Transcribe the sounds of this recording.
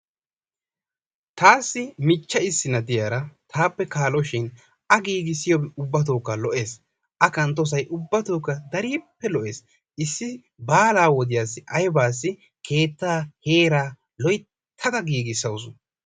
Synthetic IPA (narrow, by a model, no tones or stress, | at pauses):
t̪ʰaːsːɪmɪt͡ʃːɐɪsːɪnɐd̪ɪjaːɾɐt̪ʰaːpːɛkaːlɔʃɪn | ɐɡiːɡɪsɪjɔʊbːɐt̪̬oːkːalɔʔe̞ːs | ʔɐkɐnt̪̬ːɔs̬ɐjʔʊbːɐt̪oːkːɐd̪ɐɾiːpːɛlɔʔe̞ːs | ʔɪsːɪ | baːlaːwɔd̪ɪjaːsːɪʔɐjbaːs̬ːɪ | kʰe̞ːt̪ːaːhe̞ːɾaː | lɔj̪ʰ | ɐd̪ɐɡiːɡɪsːɐwsʊ